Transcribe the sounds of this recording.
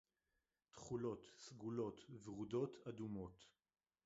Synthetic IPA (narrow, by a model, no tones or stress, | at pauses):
tχulo̞t̪sɡulot̪vʁudo̞t̪ʰadumo̞t̪